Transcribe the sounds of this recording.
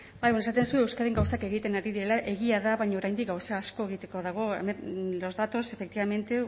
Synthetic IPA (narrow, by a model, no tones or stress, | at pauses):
bajβonesat̪e̞nsue̞wskaðeŋɡawsake̞ɣit̪e̞naɾiðiɾe̞laʔe̞ɣiaðaβajɲaoɾajnd̪ik̚ɡawsaːsko̞e̞ɣit̪e̞ko̞ðaɣ̞o̞ḛmenlo̞zðat̪o̞se̞fek̚t̪iβame̞nt̪e̞